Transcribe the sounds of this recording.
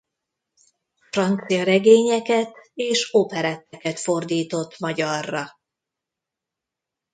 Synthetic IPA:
frɒnt̪sijɒɾɛɡeːɲɛkɛt̪eːʃoːpɛɾɛt̪ːɛkɛt̪fo̞rd̪iːt̪o̞t̪ːmɒɟɒrːɒ

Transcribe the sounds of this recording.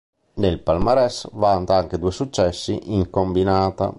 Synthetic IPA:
d̪elpalmaɾɛsvant̪aaŋk̟ed̪uesut͡ʃːɛsːiʔiŋkombinaːt̪a̰

